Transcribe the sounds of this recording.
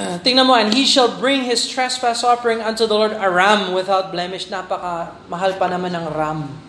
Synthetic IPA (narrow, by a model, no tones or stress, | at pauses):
t̪ɪŋnɐnmoʔɛ̃nhiʃɐlbɹɪ̃ŋhɪst̪ɹɛsfæsɔfəɹɪ̃ŋɐ̃nt̪uðɐloɹd̪ɐɹamwɪθawt̪̚blɛmɪʃnapɐkɐ | mɐɦalpɐnɐmanɐŋɾam